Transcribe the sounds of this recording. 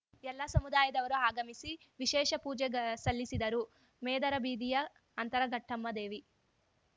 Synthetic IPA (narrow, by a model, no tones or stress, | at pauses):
ɛlːɐsɐmud̪aːjɐd̪ɐʋɐɾuaːɡɐmisi | ʋiʃɛːʃɐpuːd͡ʒɛsɐlːisid̪ɐɾu | mɛːd̪ɐɾɐbiːd̪ijɐː | nt̪ɐɾɐɡʱɐʈʰːɐmːɐd̪e̞ːʋi